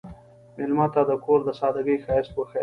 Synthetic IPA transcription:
mɪlmat̪ad̪əkoɾd̪əsɑd̪aɡixɑɪspəxe

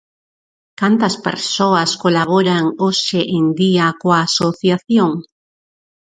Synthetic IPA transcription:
kant̪ɐspḛɾsoaskolaβ̞oɾaŋoʃeʔend̪iakoaːsoθjaθjoŋ

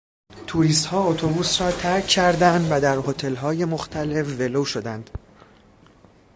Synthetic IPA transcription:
t̪ʰuɾist̪hɒːot̪ʰobuːsɾɒːt̪ʰæɾcʰːæɾd̪ænd̪væd̪æɾhot̪ʰe̞lɦɒːje̞moxt̪ʰæle̞fve̞loːʃo̞d̪ænd̪̥

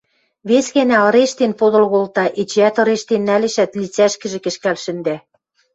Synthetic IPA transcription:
βesɣænælɾeʃt̪enpod̪ɤ̆lɣolt̪ɑʔet͡ɕæt̪ɤ̆ɾeʃt̪enːælĕʃæt̪lit͡sæʃkɘ̆ʒĕkɘ̆ʃkælʃɘ̆nd̪æ

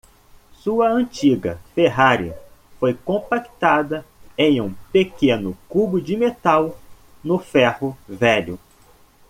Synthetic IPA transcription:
suɐɐ̃t͡ʃiɡɐ̰feɦaɾiɐ̰fojkõpakt̪ad̪ɐẽj̃ũpekẽnʊkubʊd͡ʒɪmet̪aw | nʊfɛhʊvɛʎʊ

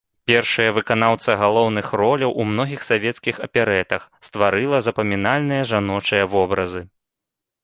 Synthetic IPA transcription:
pʲɛrʂɐjɐvɨkan̪awt̪sɐɣalˠɔwnɨxrɔlʲɐwʔumnɔɣʲixsavʲɛt̪skʲixɐpʲɛɾɛt̪ɐxst̪vaɾɨlˠɐzɐpɐmʲinalʲnɨjɐʐanɔt͡ʂɐjɐvɔbɾɐzɨ

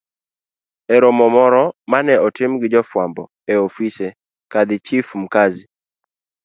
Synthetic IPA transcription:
ɛɾɔmɔmɔɾɔmanɛɔtɪmɡɪd͡ʒɔfwambɔ̰ | eofisɛ | kad̪ɪt͡ʃifm̩kazi

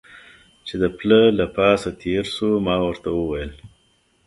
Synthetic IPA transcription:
t͡ʃed̪əpləlapɑsat̪ʰeɾsumɑwəɾt̪awəwajəl

